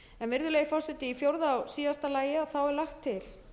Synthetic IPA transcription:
ɛnvɪɾðʏleːjɪfɔr̥sɛt̪ɪifjowɾðaawsiːast̪alaːjɪaθawɛɾlaxt̪ʰːɪl

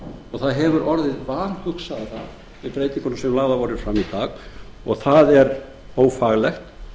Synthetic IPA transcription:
ɔɣθaðɦɛvʏɾʔɔɾðɪðvaːnhʏksaðaθað | vɪðpɾeːjt̪iŋkʏnʏmsɛmlaːɣðavɔɾɪɾfɾamit̪aːɣ | ɔɣθaðɛɾ | oːwfaɣlɛxt̪

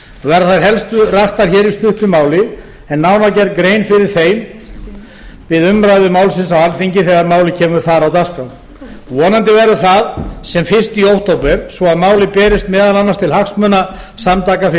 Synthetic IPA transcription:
vɛɾθaɾɦɛlst̪ʏraht̪aɾ̥çɛːɾist̪ʏht̪ʏmaːwlɪ | ɛnːawnawcɛɾt̪̚kɡɾeːjnfɪɾɪɾ̥θeːjm | vɪðʏmɾajðʏmaːwlsɪnsawalθiɲcɪθɛɣaɾmaːwlɪcʰɛːmʏɾθaɾawt̪askawn | vɔːnant̪ɪvɛɾʏθaðsɛmfɪnst̪iowht̪ʰowpɛɾsvɔaðmaːwlɪpɛːɾɪst̪mɛːðalanːast̪ʰɪlhaksmœːna | samt̪aːkaf

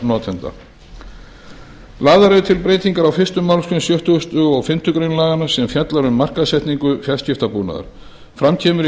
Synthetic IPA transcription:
nɔːt̪ʰɛnt̪a̰ | laːðaɾɛðʏt̪ʰɪlpɾeːjt̪iŋkaɾawfɪrst̪ʏmːawlskʏnmsjœht̪ʏʏst̪ʏɔɣfɪm̥t̪ʏkɾeɥnlaːɣanasɛmfjat̪laɾʏmːar̥kaðsɛjht̪niŋkʏfjaðscɪft̪apuːna̰ða̰ɾ̥ | fɾamcʰɛːmʏɾ

